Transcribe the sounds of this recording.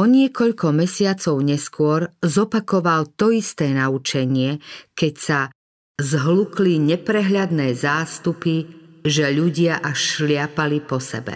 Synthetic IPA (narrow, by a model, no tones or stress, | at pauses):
ɔɲɪɛkɔʎkɔmɛsɪat͡sɔʊɲɛskʊɔɾzɔpakɔʋalt̪ɔist̪ɛːnaut͡ʃɛɲɪɛkɛcsa | zɦlukliɲɛpɾɛɦʎad̪nɛːzaːst̪upiʒɛʎuɟɪaʔaʃlɪapalipɔsɛ̰bɛ̰